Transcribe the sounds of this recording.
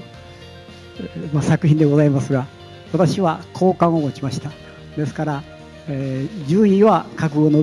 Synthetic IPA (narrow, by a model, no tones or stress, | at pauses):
masakɯ̟ɦʲĩnd̪e̞ɡo̞zaimasɨɡa | βat̪aɕiβakʰo̞ːkãɰ̃o̞mo̞t͡ɕimaɕi̥t̪a | d̪e̞sɨ̥kaɾa | d͡ʑɨːiβakakɯ̟ɡo̞no